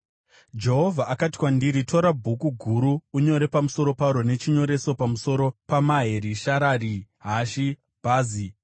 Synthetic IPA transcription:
d͡ʒe̞ɦo̞vʱaʔːkati̥kwandiɾitʰo̞ɾabʱukuɡʱuɾuːɲo̞ɾe̞pamuso̞ɾo̞paɾo̞ne̞t͡ʃiɲo̞ɾe̞so̞pamuso̞ɾo̞pamaɦe̞ɾiʃaɾaːriɦaʃi | b̥ʱaːzi

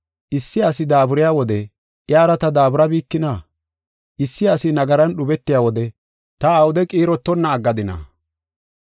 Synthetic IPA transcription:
ʔɪsːɪɐsɪd̪aːbʊɾɪjaːwɔd̪ɛ | ʔjaːɾɐt̪ɐd̪aːbʊɾɐbiːkːɪna | ʔɪsːɪɐsɪnɐɡɐɾɐnɗʊbɛt̪ːɪjaːwɔd̪ɛ | t̪ɐːwʊd̪ɛkʼiːɾɔt̪ːɔnːɐːɡːɐd̪ɪnɐ̰

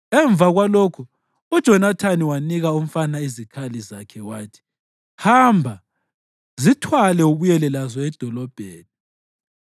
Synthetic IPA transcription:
ɛɱb̪vʱaɣwalokʰu | ud̥ʒ̥ʱɔnatʰaniwaniɣaum̩fanaizikʰalizakʰɛwaːtʰi̥ | hambʱa | zitʰwalɛuβujɛlɛlazɔɛd̥ʱɔlɔb̥ʱeːni

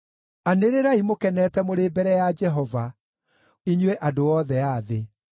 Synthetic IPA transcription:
aneɾeɾaimokɛnɛːtɛmoɾeːbɛɾɛjad͡ʒɛɦɔva | iɲwɛʔadoɔːðɛaðe

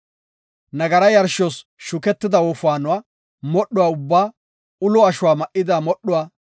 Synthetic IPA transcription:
nɐɡɐɾɐjɐɾʃɔsʃʊkɛt̪ːɪd̪ɐwɔfʊaːnʊwaː | mɔɗʊwaːʊbːaː | ʊlɔɐʃʊwaːmɐʔɪd̪aːmɔɗːʊwaː

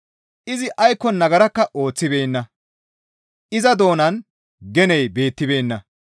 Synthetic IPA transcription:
ʔɪzɪʔɐjkːɔnɐɡɐɾɐkːɐʔo̞ːt͡sːɪbe̞ːnːɐ | ʔɪzɐd̪o̞ːnɐn | ɡɛnɛjbe̞ːt̪ːɪbe̞ːnːɐ

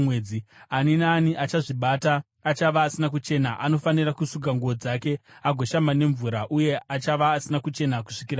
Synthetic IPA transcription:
wed͡zianinaːniʔat͡ʃaʐiɓataː | t͡ʃaʋaːsinakut͡ʃe̞naʔano̞fanirakusukɡaŋɡuod͡zake̞aɡʱo̞ʃamane̞ɱvuɾaʔuje̞at͡ʃaʋaːsinakut͡ʃe̞naku̥ʂikira

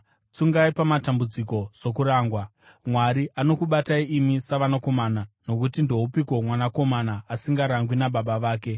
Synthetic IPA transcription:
t͡suŋɡaipamatambud͡ziko̞so̞kuɾaːŋɡwa | mwaɾiano̞kuɓataiʔimisaʋanako̞maːnano̞kutindo̞ɦupiko̞mwanako̞manaːsiŋɡaɾaŋɡwinaɓaɓaʋaːke̞

